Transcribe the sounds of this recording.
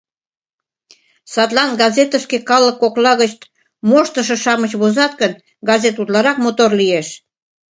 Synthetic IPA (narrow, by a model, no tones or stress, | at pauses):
sɑt̪lɑnɡɑzet̪əskekɑləkːoklɑɣət͡ɕt̪ | moʃt̪əʃ̬ɤ̆ʃɑmət͡ɕβozɑt̪̚kən | ɡɑzet̪ut̪lɑɾɑk̚mot̪orlieʃ